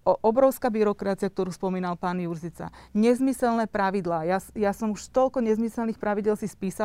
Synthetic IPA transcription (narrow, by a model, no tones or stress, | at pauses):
ɔʔɔbɾɔʊskaːbiɾɔkɾat͡siak̚t̪ɔɾuːspɔmiːnalpaːnjuɾzit͡sa̰ɲɛzmisɛlnɛːpɾaʋid̪laːjasjasɔmuʃt̪ɔʎkɔɲɛzmisɛlnixpɾaʋiɟɪɛlsispiːsa